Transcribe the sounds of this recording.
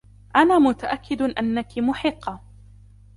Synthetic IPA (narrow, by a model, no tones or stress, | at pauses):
ʔanaːmʊt̪aʔakʰːɪd̪ʔanːakɪmʊħɪqːɑ